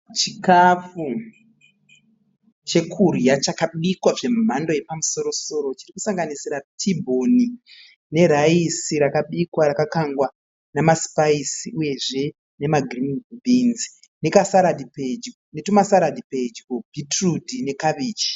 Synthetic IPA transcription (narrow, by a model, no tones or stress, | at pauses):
t͡ʃikafu | t͡ʃe̞kʰurjat͡ʃakaɓikwaʐe̞mm̤ando̞je̞pamuso̞ɾo̞so̞ɾo̞t͡ʃiriku̥saŋɡanisiɾatʰibʱo̞ni | ne̞ɾaisiɾakaɓikwaɾakakaŋɡwa | namaspaisiuje̞ʐe̞ | ne̞maɡʱrimbʱinzi̥ | ne̞kasaɾadipe̞d͡ʒkonetumasaɾadʱiped͡ʒkobʱitrudʱine̞kaʋiːt͡ʃi̥